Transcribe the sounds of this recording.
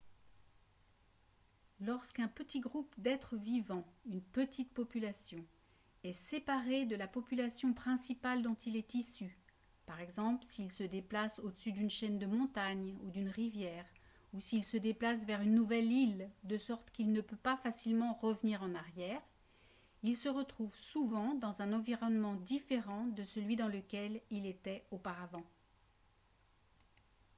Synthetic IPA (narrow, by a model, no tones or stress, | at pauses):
lɔʁskɛ̃pət̪iɡʁupd̪ɛt̪χəvivɑ̃ynpət̪ʰit̪pɔpylasjɔ̃ | ɛsepaʁed̪əlapɔpylasjɔ̃pχɛ̃sipald̪ɔ̃t̪ilɛt̪isy | paʁɛɡzɑ̃plsiːlsəd̪eplasod̪əsyd̪ynʃɛnd̪əmɔ̃t̪aɲud̪ynʁivjɛːʁ | usiːlsəd̪eplas̬vɛʁynːuvɛlild̪əsɔʁt̪kilnəpøpafasilmɑ̃ʁəvniʁɑ̃naʁjɛːʁ | ilsəʁət̪χuvsuvɑ̃d̪ɑ̃zɛ̃nɑ̃viʁɔnmɑ̃d̪ifeʁɑ̃d̪əsəlɥid̪ɑ̃ləkʲɛlilet̪ɛopaʁavɑ̃